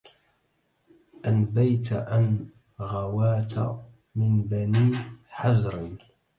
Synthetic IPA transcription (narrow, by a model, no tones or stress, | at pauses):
ʔanbajt̪aʔan | ɣawaːt̪a̰ | mɪnbaniːħazɾɪn